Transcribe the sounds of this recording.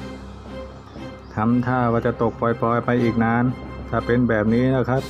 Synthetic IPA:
t̪ʰa˧˥mt̪ʰaː˥˩waː˧˩t͡ɕa˨˩t̪o˨˩k̚pɔː˨˩jpɔː˨˩jpa˧jʔiː˨˩k̚naː˧˥nt̪ʰaː˧˩pe˧nbɛː˨˩p̚niː˦˥na˦˧˩kʰa˦˥p̚

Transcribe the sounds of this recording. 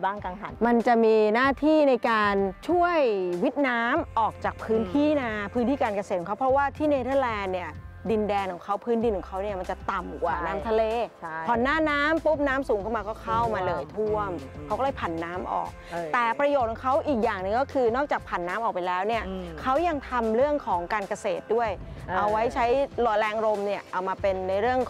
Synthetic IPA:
baː˥˩ŋka˧ŋka˨˩tma˧nt͡ɕa˨˩miː˧naː˥˩t̪ʰiː˥˩na˧jkaː˧nt͡ɕʰu˥˩əjwi˦˥t̪̚naː˦˥mʔɔː˨˩k̚t͡ɕaː˨˩k̚pʰɯː˦˥nt̪ʰiː˥˩na˧pʰɯː˦˥nt̪ʰiː˥˩kaː˧nka˧se˨˩t̪̚ʰɔ˨˦kʰa˦˥pʰɔ˦˥waː˥˩t̪ʰiː˥˩ne˧t̪ʰɤː˥˩lɛː˧nːi˦˥˩ɐ | di˧ndɛː˧nkʰɔː˨˩˦ŋkʰa˦˥wpʰɯː˦˥ndi˧nkʰɔ˨˩˦ŋkʰa˦˥wni˥˩ɐma˧nt͡ɕa˨˩t̪a˨˩mkwaː˨˩naː˦˥mt̪ʰa˧leː˧˩pʰɔ˨˩nːaː˧˥˩naː˦˥mpu˦˥p̚naː˦˥msuː˨˦ŋʰɯ˥˩maː˧kɔː˥˩kʰa˦˥˩wmaː˧lɤː˨˩jt̪ʰu˥˩əmkʰa˦˥wkɔː˥˩ɤː˧˩pʰa˨˩nːaː˦˥mʔɔ̰ː˨˩k̚t̪ɛː˨˩pɾa˧joː˨˩t̪kʰɔ˨˩˦ŋkʰa˦˥wʔiː˨˩k̚jaː˨˩ŋnɯ˧ŋkɔː˥˩kʰɯː˧nɔː˥˩k̚t͡ɕaː˨˩k̚pʰa˨˩nːaː˦˥mʔɔː˨˩pa˧jlɛː˦˥wni˥˩ɐkʰa˦˥wja˧ŋt̪ʰa˧mɾɯ˥˩əŋkʰɔː˩˦ŋkaː˧nka˧seː˨˩t̪̚du˥˩əj | ʔa˧wːa˦˥jt͡ɕʰa˦˥jlɔ˨˩lɛː˧ŋɾo˧mni˥˩ɐʔa˧wmaː˧pe˧nːa˧jɾɯ˥˩əŋ

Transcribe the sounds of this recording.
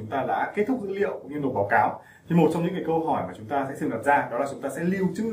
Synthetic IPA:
ʊ˨˦ŋ͡mt̪aː˧ɗa̰ː˧˥ke˦˥t̚t̪ʰʊ˦˥k̚zɨ̰˧˥lḭ˧˨ə˨wkŋ͡mɲɨ˧no˨˩t̚ɓaː˨˦wkaː˨˦w | t̪ʰi˨˩mo˨˩t̚t͡ɕɔ˧wŋ͡mɲɨ̰˧˥ŋːaː˨˩kə˧hɔ˧˩jmaː˨˩t͡ɕʊ˨˦ŋ͡mt̪aː˧sɛ̰˧˥t̪ʰɨ˨˩ŋə˨˩p̚zaː˧ɗɔ˨˦laː˨˩t͡ɕʊ˨˦ŋ͡mt̪aː˧sɛ̰˧˥li˨˩əwt͡ɕɨ˧

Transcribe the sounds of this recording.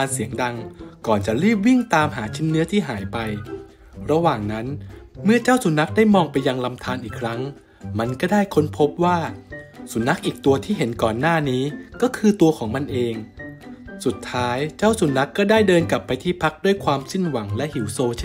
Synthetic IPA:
nsi˩˦əŋda˧ŋkɔː˨˩nt͡ɕa˨˩ɾɯː˥˩p̬̚wi˥˩ŋt̪aː˧mɦaː˩˦t͡ɕʰi˦˥nːɯ˦˥ɐt̪ʰiː˥˩ɦaː˩˦jpa˧j | ɾa˧waː˨˩ŋna˦˥nmɯ˥˩ɐt͡ɕaː˥˩wsu˨˩˦na˦˥k̚daː˥˩jmɔː˧ŋpa˧jːa˧ŋla˧mt̪ʰaː˧nʔiː˨˩kʰɾa˦˥ŋ | ma˧nkɔː˥˩daː˥˩jkʰo˦˥npʰo˦˥p̚waː˥˩su˨˩˦na˦˥k̚ʔiː˨˩k̚t̪u˧ɐt̪ʰiː˥˩ɦe˩˦nkɔː˨˩nːaː˥˩niː˦˥kɔː˥˩kʰɯː˧t̪u˧ɐkʰɔː˩˦ŋma˧nʔeː˧ŋ | su˨˩t̪ʰːaː˦˥jt͡ɕa˥˩wsu˨˩˦na˦˥kːɔː˥˩daː˥˩jdɤː˧nka˨˩pːa˧jt̪ʰiː˥˩pʰa˦˥k̚du˥˩jkʰwaː˧msi˥˩nwa˩˦ŋlɛ˦˥ʔhi˩˦wsoː˧t͡ɕʰ

